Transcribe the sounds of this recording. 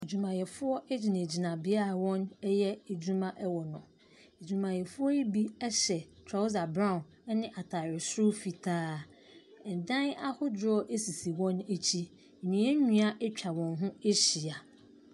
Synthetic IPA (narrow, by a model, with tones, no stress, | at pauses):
e˨d͡ʑu˨mã˨jɛ˨fʊ˦ɔ˦ʔɛ˦d͡ʑi˨nã˨d͡ʑi˨nã˨bɪ˦a˦˨wɔ̃˦nɛ˦jɛ˦e˨d͡ʑu˦mã˦ʔɛ˦wɔ˨nʊ̃˨ | e˨d͡ʑᶣu˨mã˨jɛ˨fʊ˦ɔ˦ji˦bi˦ɛ˦ɕɛ˨tʰɾɔ˨˦ʊ˦za˨bɾã˦ʊ̃˨n˦ | nɪ̃˦ʔa˨tʰa˨ɾɪ˨sʊ˦fi˨tʰaː˦˨ | n̩˨dã˦na˦hʊ˦dɔ˦ʔe˦si˨si˨wɔ̃˦ne˦t͡ɕʰi˦˨ | ɲĩ˨˦ɛ˦ɲũ˦a˦ʔɛ˦t͡ɕᶣʰa˨wɔ̃˨nɦʊ̃˦e˦ɕi˨a˨